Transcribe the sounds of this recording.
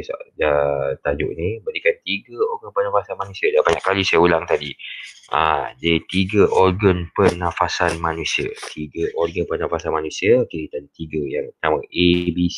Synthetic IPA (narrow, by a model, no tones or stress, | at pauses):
sa̰ət̪ad͡ʒʊ̰ʔnibəɾikant̪iɡəorɡənpənãfasanmanũsiədabaɲaʔkalisajaulaŋt̪adiə̰dət̪iɡəʔorɡənpənãfasanmanũsiə̰t̪ʰiɡəʔɔrɡənpənãfasanmanũsiəoket̪adit̪iɡəjaŋpənamə̃ʔebis